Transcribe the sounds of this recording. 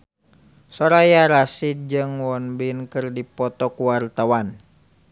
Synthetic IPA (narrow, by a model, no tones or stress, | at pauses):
sɔɾajaɾasit̪̚d͡ʒɨŋwɔnbinkɨrdipɔt̪ɔkuwart̪awan